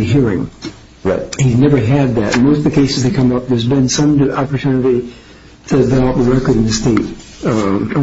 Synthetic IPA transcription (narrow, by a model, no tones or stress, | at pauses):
iɦiɹɪ̰̃ŋ | ɹʌ̰t̚hiznɛvə˞ɨd̪̚ðɨ̰t̚moʊstʌvðɨkʰeɪsɨzðɨkʰʌ̃mʌp̚ðə˞zbɨ̃nsʌ̃mɑpə˞tʰʉnɨɾi | tɨvɛbiɹɛkə˞ɾɨ̃n̩ɨ̥steɪt̚